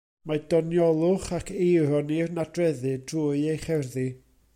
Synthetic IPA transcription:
madɔnjɔlˠʊχakʰeɾɔnirnadrɛðɨdruːɨejχɛrði

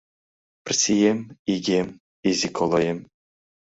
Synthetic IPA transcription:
pʲrʲsʲijemiɡʲem | izʲikʰolˠojem

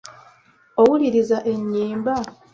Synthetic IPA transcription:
o̞wuliɾizaʔe̞ɲːiːmba

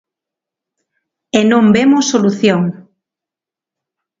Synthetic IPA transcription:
enõmbemosːoluθjoŋ

